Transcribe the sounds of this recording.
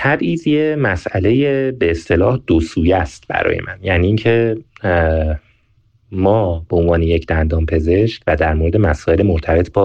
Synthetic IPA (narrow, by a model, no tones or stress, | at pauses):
t̪ʰæbʔiːzjemæsæle̞jebeːst̪e̞lɒːhd̪osuːjæst̪bæ̰ɾɒ̰ːjḛmʔænjæːniːŋcʰe̞ | mɒːbeonvɒːnejecʰd̪ænd̪ɒːmpʰe̞ze̞ʃcvæd̪æɾmoɾd̪emæsɒːelemoɾt̪ʰæbe̞t̪ʰbɒː